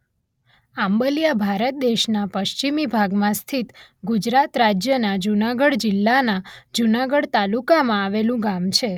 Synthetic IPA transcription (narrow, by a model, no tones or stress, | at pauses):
ambəlijabʱaɾət̪̚d̪eʃnapəʃt͡ʃimibʱaɡmãst̪ʰit̪ɡud͡ʒɾat̪ɾad͡ʒjənad͡ʒunaɡəɽd͡ʒɪlːanad͡ʒunaɡəɽt̪alukamãaʋelũɡamt͡ʃʰe